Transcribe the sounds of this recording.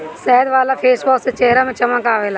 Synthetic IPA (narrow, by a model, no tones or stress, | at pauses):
sɛɦəd̪ʋaːlapʰeːsbɔːkset͡ʃeɦɾamẽt͡ʃɐmãkaːʋeːlaː